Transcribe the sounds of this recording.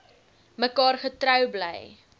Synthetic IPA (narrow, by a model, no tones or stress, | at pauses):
məkɑːrχətɾœwblɛ̰j